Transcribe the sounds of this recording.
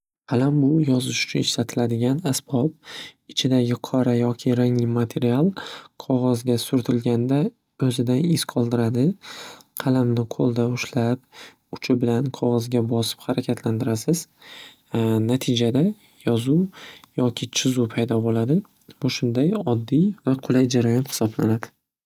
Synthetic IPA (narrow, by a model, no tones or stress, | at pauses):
qʰɑlambʊjɒzɪʃʊ̥t͡ʃʰʊnɪʃlat̪ʰɪlad̪ɪɡʲanasb̥ɒb̚ɪt͡ʃʰɪd̪aɡʲɪqʰɒɾajɒkʲʰɪɾaŋlɪmat̪ʰe̞ɾialˠqʰɒʁɒzɡʲasʊɾt̪ʰɪlɡʲand̪a | ɵzɪd̪anɪskʰɒlˠd̪ɪɾad̪ɪqʰɑlamnɪqʰolˠd̪aʊʃlap̚ | ʊt͡ʃʰɪbɪlanqʰɒʁɒzɡʲabɒsɪ̥phaɾakʲʰat̪ʰland̪ɪɾasɪz̥ | nat̪ʰɪd͡ʒad̪a | jɒzujɒkʲʰɪt͡ʃʰɪzupʰajd̪ɒbolad̪ɪ | bʊʃʊnd̪ajɒd̪ːivaqʰʊlˠajd͡ʒaɾajɒnhɪ̥sɒblanad̪ɪ